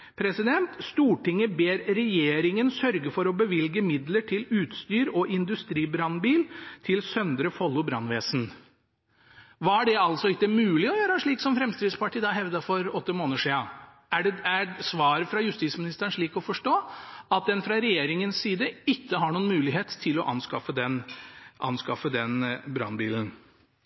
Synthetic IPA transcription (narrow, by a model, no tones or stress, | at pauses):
pʰɾɛsɪd̪ɛnt̪st̪uːʈɪŋːəbeːɾɾɛjeːɾɪŋənsœɾɡəfɔɾɔbəʋɪlɡəmɪd̪ləʈʰɪlʉːt̪st̪yːɾɔʔɪnd̪ʉst̪ɾiːbɾɑnbiːlt̪ʰɪlsœnd̪ɾəfɔlːʊbɾɑ̰nʋeːsn̩ | ʋɑːæɖɛɑlsɔɪkːəmʉːlɪɔjøːɾəʂɭiːksɔmfɾɛmst̪ɾɪːd̪spɑʈiːd̪ɑːɦɛʋd̪ɑfɔɾɔt̪ːəmoːnəʂiːɑ | ææsʋɑːɾəfɾɑjʉst̪iːsmɪnɪst̪əɾəɳʂɭiːkɔfɔʂʈoːɑt̪̚d̪ɛnfɾɑɾɛjeːɾɪŋənsːiːd̪əɪkːəɦɑɳuːnmʉːlɪɦeːt̪t̪ʰɪlɔʔɑ̰nskɑfəd̪ɛnʔɑ̰nskɑfəd̪ɛnbɾɑ̰nbiːlən̩